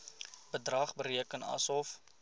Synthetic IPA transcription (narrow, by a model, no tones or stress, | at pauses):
bədrɐχbəɾiəkənɐ̰sɔf